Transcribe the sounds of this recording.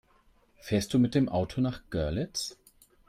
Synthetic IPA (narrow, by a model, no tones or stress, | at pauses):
fɛːɐst̚d̥uːmɪt̚d̥eːmʔaʊtʰonaːχɡ̥œɐlɪt͡s